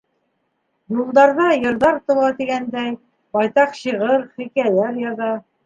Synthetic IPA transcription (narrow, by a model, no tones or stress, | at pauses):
julˠd̪ɑɾðɑjɤ̆ɾðɑɾt̪ŏlˠɑt̪iɡænd̪æj | bɑjt̪ɑqɕiʁɤɾχikælæɾjɑðɑ